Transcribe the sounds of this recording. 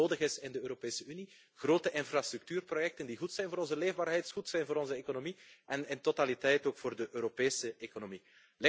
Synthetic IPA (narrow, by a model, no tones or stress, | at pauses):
oːdəɣɪsɪndəøːɾopeːsəyni | ɣroːtəʔɪnfrastryk̚tyːrprojɛk̚təndiɣutsɛjnvoːɾɔnzəleːvbaːrɦɛjtxutsɛjnvoːɾɔnzəekonomiɛnɪntotalitɛjtoːkfoːrdəʔøːɾopeːsəekonomi | lɪ